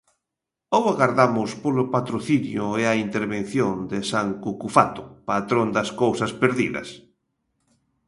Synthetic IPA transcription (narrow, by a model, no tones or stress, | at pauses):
owaɣaɾðamʊspolʊpat̪ɾoθinjʊeaint̪eɾβẽn̟θjond̪ɪsaŋkukufat̪ʊ̥pat̪ɾond̪ɐskowsɐspeɾðḭðɐ̰s